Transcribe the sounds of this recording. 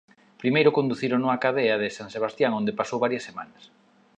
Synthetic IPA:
pɾimejɾʊkond̪uθiɾonuŋɐakaðeɐðɪsaŋseβ̞ast̪jaŋõnd̪epasowβaɾjɐsːemã̰nɐs

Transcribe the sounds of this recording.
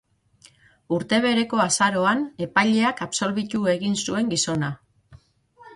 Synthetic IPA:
uɾt̪e̞β̞e̞ɾe̞ko̞asaɾo̞ane̞pajʎe̞akapso̞lβit̪ue̞ɣinsue̞ŋɡiso̞na

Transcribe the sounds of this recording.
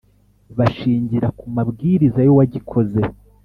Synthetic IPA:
βaʃiːɲɟiɾakumabɡiːɾizajo̞waɟikʰo̞ze̞

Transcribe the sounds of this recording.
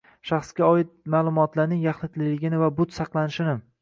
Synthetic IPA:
ʃaχsɡʲaɒɪt̪̚maːlˠʊmɒt̪laɾnɪŋjaχnɪt̪lɪlɪɡʲɪnɪvabʊt̪sɑqlˠanɪʃɪnɪ

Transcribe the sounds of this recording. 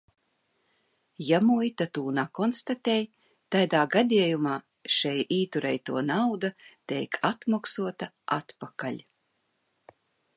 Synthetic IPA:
jamujt̪at̪uːnakɔnst̪at̪ʲɛj | t̪ajd̪aːɡad̪ʲiɛjumaː | ʃɛjiːt̪uɾɛjt̪uɔnawd̪at̪ɛjkʰat̪maksuɔt̪a | a̰t̪pakalʲ

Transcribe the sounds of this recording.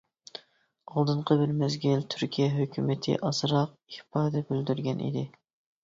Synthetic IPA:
ɑlˠd̪ɨɴqʰəbɪɾmɛzɡʲɪlt̪ʰyɾkʲʰijɛɦøkʲʰymɪt̪ʰɪ̰ʔɑsɾɑq̚ihpʰɑːd̪ɛbyld̪yɾɡʲɛnʔḭd̪ɪ

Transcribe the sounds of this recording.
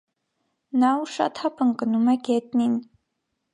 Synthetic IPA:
nawʂa̰t̪ʰapʰɨŋkʼɨnumaɡʲet̚ʼnin

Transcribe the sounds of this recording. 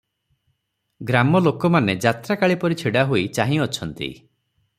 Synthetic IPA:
ɡɾamɔlokɔmaned͡ʒat̪ɾakaɭipɔɾit͡ʃʰiɽaɦoit͡ʃaɦĩɔt͡ʃʰɔnt̪ḭ

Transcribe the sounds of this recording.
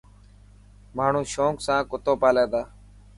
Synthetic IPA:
maːɳ̤ũːʃõːksãːkʊt̪oːpaːleːd̪aː

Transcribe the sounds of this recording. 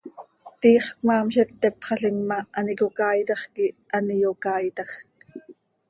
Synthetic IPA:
t̪iːχkmɑːmʃɛpt̪ːɛpχɑɬiŋmɑʔːnikokɑːjt̪ɑχkianijokɑːjt̪ɑxk

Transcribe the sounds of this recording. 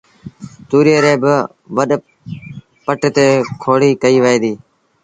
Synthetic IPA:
t̪uːɾeːɾeːb | ʋəɗ | pəʈt̪eːkʰoːɽiːkəiːʋəeːd̪iː

